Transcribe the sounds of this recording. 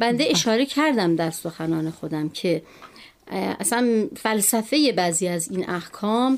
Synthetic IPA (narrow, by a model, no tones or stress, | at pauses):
bænd̪eʔeʃɒːɾe̞cʰæɾd̪æmd̪æɾso̞xænɒːne̞xo̞d̪æmcʰe̞ | ʔæ̰sænfælsæfe̞je̞bæːziːæzinʔæhkʰɒːm